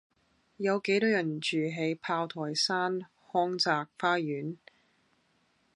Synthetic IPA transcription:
jɐ˨˧wke˨˥jt̪ɔː˨˥jɐ˨˩nt͡ʃyː˨ɦe˨˧jpʰaː˧wt̪ʰɔː˨˩jsaː˥n | hɔː˥ŋt͡saː˨˧k̚faː˥jyː˨˥n

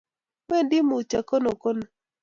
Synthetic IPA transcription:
we˦˨ndɪ˦mʊ˨t͡ʃa˨ko˦no˨ko˦no˨

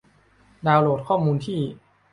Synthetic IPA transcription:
daː˧wloː˨˩t̪̚kʰɔː˥˩muː˧nt̪ʰiː˥˩

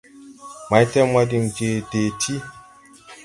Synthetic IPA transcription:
ma˨jtɛ˦ma˦di˨nd͡ʒe˨deː˨tʰi˦

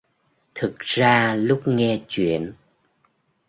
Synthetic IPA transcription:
t̪ʰɨ˨˩k̚zaː˧lʊ˦˥k͡p̚ŋɛ˧t͡ɕwḭ˧˨ən

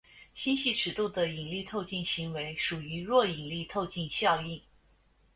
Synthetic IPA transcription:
ɕi˥nɕi˥˩ʈ͡ʂʰɻ̩˧˥˩t̪u˥˩d̪ə˩i˨˩ŋli˥˧t̪ʰo˥˧ʊt͡ɕi˥˩nɕi˧˥ŋwe˧˥ɪʂu˨˩y˧˥ɻwɔ˥˩i˨˩ŋli˥˧t̪ʰo˥˧ʊt͡ɕi˥˧nɕjɑ˥˧ʊi˥˩n

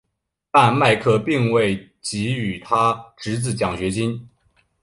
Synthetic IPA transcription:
t̪a˥˧nma˥˧ɪkʰɤ˥˧pi˥˧ŋwe˥˩ɪ | t͡ɕi˧˥y˨˩t̪ʰa˥ʈ͡ʂɻ̩˧˥t͡sɹ̩˥˩t͡ɕjɑ˨˩ŋɕɥɛ˧˥t͡ɕi˥n

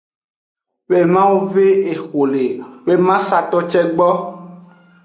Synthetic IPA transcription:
we˨mã˦wu˦ve˦e˨xo˨le˨we˦mã˦sa˨t̪ɔ˦t͡ʃɛ˦ɡ͡bɔ˦

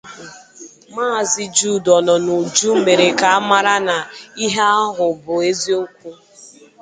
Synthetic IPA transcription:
maː˦˨zɪ˦d͡ʒu˦˨dɔ˨nɔ˨nu˨d͡ʒu˦m̩˦me˨ɾe˨ka˨a˦ma˦ɾa˦na˨i˦ɦa˦a˦ɦʊ˨bʊ˨e˦zi˦o˦k̚ʷu˦

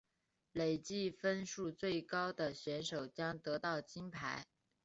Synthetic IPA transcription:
le˨˩ɪt͡ɕi˥˩fə˥nʂu˥˧t͡swe˥˩ɪkɑ˥ʊd̪ə˨ɕɥɛ˧˥nʂo˨˩ʊt͡ɕjɑ˥ŋt̪ɤ˧˥t̪ɑ˥˩ʊt͡ɕi˥npʰa˧˥ɪ

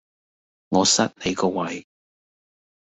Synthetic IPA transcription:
ŋɔː˨˧sɐ˥t̚le˨˧jkɔː˧wɐ˨˧j

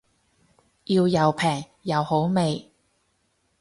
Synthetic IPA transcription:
jiː˧wjɐ˨˧wpʰɛː˨˩ŋ | jɐ˨˧who˨˥wme˨j

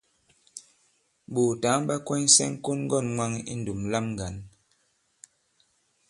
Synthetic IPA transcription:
ɓo˨ta˨˦ŋ˦ba˦kwɛ˦n˦sɛ̰˦ŋ˦ko˦nŋ˦ɡɔ˦˨nŋwa˦ŋḭ˦n̩˨du˨mla˦mŋɡa˨n

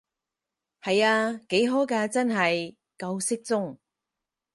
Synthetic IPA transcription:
hɐ˨jaː˧ke˨˥jɦoː˨˥kaː˧t͡sɐ˥nɦɐ˨j | kɐ˧wsɪ˥k̚t͡sʊ˥ŋ

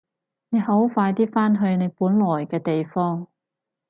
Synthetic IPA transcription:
ne˨˧jɦo˨˥wfaː˧jt̪iː˥faː˥nɦɵ˧ɥne˨˧jpuː˨˥nlɔː˨˩jkɛː˧t̪e˨jfɔː˥ŋ

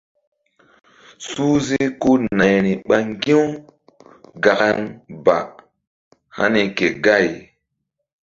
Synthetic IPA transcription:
suː˦zi˦ku˦na˨jni˨ɓa˦ŋɡĩ˦w | ɡa˨ka˦nba˨ | ha̰˦ni˨ke˨ɡa˦˨j

